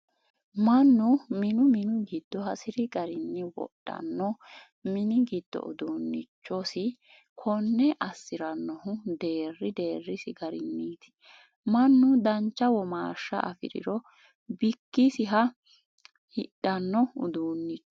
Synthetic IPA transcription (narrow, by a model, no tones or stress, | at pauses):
mɐnːʊmɪnʊmɪnʊɡɪd̪̥ːɔɦɐsɪɾɪɡɐɾɪnːɛwɔ̰ɗːɐ̰nːɔ | mɪnɪɡid̪̥ːɔ̰ʊ̰d̪uːnːɪt͡ʃːɔsɪ | kʰɔnːɛʔɐsːɪɾɐnːɔhʊd̪e̞ːrːɪd̪e̞ːrːɪsɪɡɐɾɪnːiːt̪ɪ̥ | mɐnːʊd̪ɐnt͡ʃːɐwɔmaːʃːɐ̰ʔɐfɪ̰ɾɪ̰ɾɔ | bɪkːisɪɦɐ | hɪɗɐnːɔʊd̪uːnːɪt͡ʃː